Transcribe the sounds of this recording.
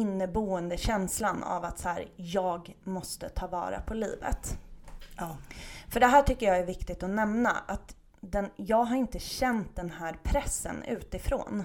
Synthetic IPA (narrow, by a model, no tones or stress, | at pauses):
ɪnːəbuːənd̪əɕɛnslana̰vat̪sæːɾjɑːɡmɔst̪ət̪ʰɑːvɑ̰ːɾa̰pʰɔlḭːvə̰t̪ | fœɖɛɦæːʈʰʏkːəjɑːæɾvɪkt̪ɪɡ̚t̪ɔnɛmna̰ʔat̪ | d̪ɛnjɑːɡɦaɾɪnt̪əɕɛnt̪̚d̪ɛnhæːɾpʰɾɛsːə̰nʉ̟ːt̪ɪfɾo̰ːn